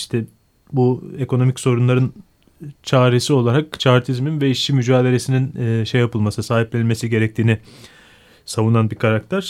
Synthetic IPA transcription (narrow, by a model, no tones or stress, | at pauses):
iʃt̪ʰɛ | bue̞kʰo̞no̞micso̞ɾunlˠaɾɯn | t͡ʃʰaːɾesio̞lˠaɾak̚t͡ʃʰaɾt̪ʰizminvɛiʃimyd͡ʒaːd̪e̞ɾe̞sininːʃejapʰɯlˠmasɯsaːɦiplʲenilme̞siɟe̞ɾɛc̚t̪ʰiːnɪ | savunanbikʰaɾakt̪ʰæɾ̥